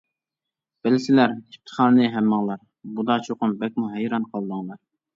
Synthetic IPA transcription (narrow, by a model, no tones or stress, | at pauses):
b̥ɪlɪsɪlæɾip̚t̪ʰə̥χɑːnɨnɨɦæmːɑŋlˠɑɾ | bud̪ɑt͡ʃʰoqʊnbɛk̚ʲmuɦæjɾɑnqʰɑlˠd̪ɑŋlˠɑɾ